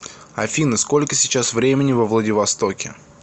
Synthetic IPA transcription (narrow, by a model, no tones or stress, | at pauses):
ɐfʲinəsko̞lʲkəsʲɪt͡ɕasvɾʲemʲɪnʲɪvəvlˠədʲɪvɐst̪o̞kʲɪ̰